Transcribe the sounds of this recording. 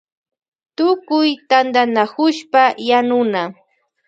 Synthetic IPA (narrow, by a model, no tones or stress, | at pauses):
t̪ʊkʊjt̪and̪anakʊʃpajanʊna